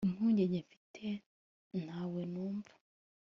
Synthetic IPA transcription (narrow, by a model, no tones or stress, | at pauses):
imhuːɲɟeɲɟefi̥tʰe | n̥haːwenuːɱvu̥